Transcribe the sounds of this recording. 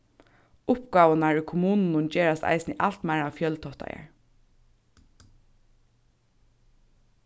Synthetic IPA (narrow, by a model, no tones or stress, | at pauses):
ʊpɡɑːwanaɹykʰʊmuːnnʊnt͡ʃeːɹast̪a̰ɪsnɪʔal̥t̪mæɪɹafjœlt̪ʰɔht̪a̰jə̰ɹ